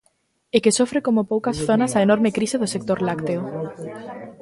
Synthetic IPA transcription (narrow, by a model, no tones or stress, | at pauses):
ekesofɾekomʊpowkɐsθonɐsɐenoɾmekɾiseðʊsek̚t̪oɾlakt̪eʊ